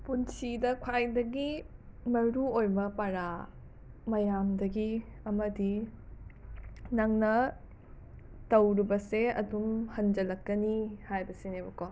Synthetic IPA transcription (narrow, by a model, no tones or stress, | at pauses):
punsidɐkʰwajdɐɡi | mɐɾuojmɐpaɾa | mɐjamdɐɡiɐmɐdi | nɐŋnɐ | tɐwɾibɐseɐ̰dumhɐnd͡ʒɐlɐkːɐnihajbɐsinebɐko